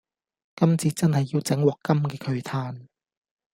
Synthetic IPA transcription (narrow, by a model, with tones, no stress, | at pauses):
kɐ˥mt͡siː˨˥t͡sɐ˥nhɐ˨jːiː˧wt͡sɛ˨˥ŋwɔː˨kːɐ˥mkɛː˧kʰɵ˨˧ɥt̪ʰaː˧n